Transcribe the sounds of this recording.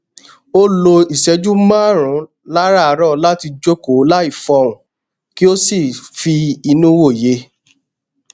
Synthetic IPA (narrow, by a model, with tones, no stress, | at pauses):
o˦lo˧i˨sɛ˨˧d͡ʒu˦mãː˦˨ɾ̃ũ˨˦ | la˦ɾa˦˨˧ɾɔ˦˨la˦ti˧d͡ʒo˦ko˨˦la˦i˦˨fɔ˧ũ˨ | ki˦o˦si˦˨fi˧i˧nũ˦wo˦˨je˨˦